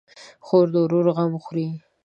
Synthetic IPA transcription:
xoɾd̪oɾoɾɣamxɾi

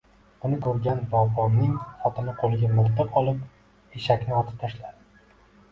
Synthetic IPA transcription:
b̥ʊnɪkʰɵɾɡʲanbɒbɒnɪŋχɒt̪ʰɪnɪqʰolˠɪɡʲamʊlt̪ɨqʰɒlˠɪp | eʃakʲnɪɒt̪ʰɪ̥p̚t̪ʰaʃlad̪ɪ

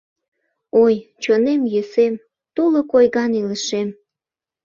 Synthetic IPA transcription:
ojt͡ɕonemjøsem | t̪ulokojɣɑniləʃem

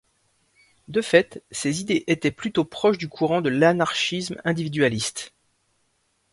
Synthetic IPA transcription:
d̪əfɛt̪sezid̪eʔet̪ɛplyt̪opχɔʃd̪ykʰuʁɑ̃d̪əlanaʁʃismɛ̃d̪ivid̪ɥalist̪

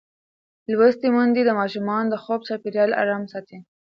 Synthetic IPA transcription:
lwəst̪imʊnd̪id̪əmɑʃʊmɑnd̪əxob̚sɑpiɾjɑla̰ɾɑmsɑt̪ʰe

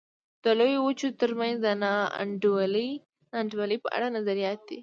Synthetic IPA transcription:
d̪̥əlojowut͡ʃot̪əɾmanzd̪ənɑ̰ɳɖli | nɑɳɖwaləjpəʔa̰ɽanazaɾijɑt̪̚d̪i

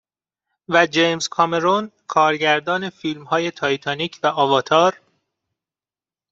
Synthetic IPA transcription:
væd͡ʒejmskʰɒme̞ɾonkʰɒːɾɟæɾd̪ɒːne̞fiːlmhɒːje̞t̪ʰɒːjt̪ʰɒniːcʰvæʔɒːvɒːt̪ʰɒːɾ

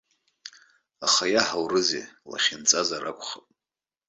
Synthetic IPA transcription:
aχajaħawrɨzḛla̰χʲɪnt͡sʼazaɾa̰kʷʰʼχapʼ

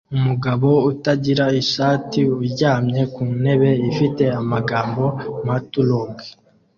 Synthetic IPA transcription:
umuɡaβo̞utaɟiɾaiʃaːtiuɾɟaːmɲe̞kuːne̞βe̞ifite̞amaɡaːmbo̞matuloɡe

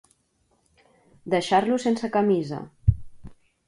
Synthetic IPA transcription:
d̪əʃaɾlusensəkəmizə̰

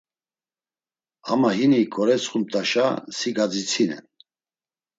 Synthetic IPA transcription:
ha̰maɦinikʰʼɔɾɛt͡sχum̚t̪ʼaʃasiɡad͡zit͡sʰinɛ̰n

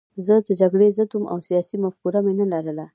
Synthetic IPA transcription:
zəd̪əd͡ʒaɡɽezət̪umʔa̰wsijɑsimafkuɾamenəlaɾəla

